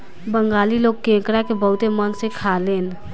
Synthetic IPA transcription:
bəŋɡaliloːɡ̚kẽkɾakebəɦʊt̪emənsẽkʰaleːn

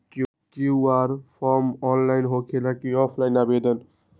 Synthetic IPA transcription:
t͡ʃiaɾpʰɔɾmɔnlajnɦokʰelakiɔpʰlajnabed̪ən

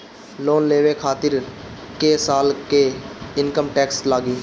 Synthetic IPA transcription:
loːnleːʋekʰaːt̪ɪɾ | keːsaːlkeːɪnkəmʈɛːkslaːɡiː

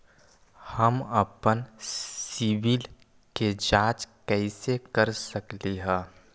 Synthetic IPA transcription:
hɐmɐpənsiʋil | ked͡ʒaːt͡ʃkɛɪsekəɾsəkliɦɛ̃ː

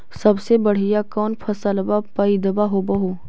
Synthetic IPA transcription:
sɐbsebɐɽ̤ijakɔːnpʰɐsalɐbapaid̪ɐbaɦobɐɦo

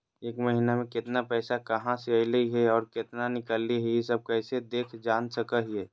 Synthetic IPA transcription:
eːkməɦinamẽkɪt̪napɛːsakəɦãseəɪləiɦɛɔːɾkɪt̪nanɪkəlːiɦɛjesəb̚kɛːsed̪eːkʰd͡ʒaːnsəkəɦiɛː

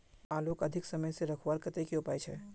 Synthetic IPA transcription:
aːloːkɐd̪ʱɪksɐməjseɾɐkʰwaːɾkət̪ekiopaːjt͡ʃʰɛː

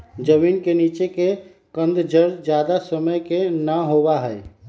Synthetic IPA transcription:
d͡ʒəmiːnkeniːt͡ʃeke | kə̃nd̪d͡ʒəɾd͡ʒd͡ʒjaːd̪asəməjkenəɦobaɦɛɪ

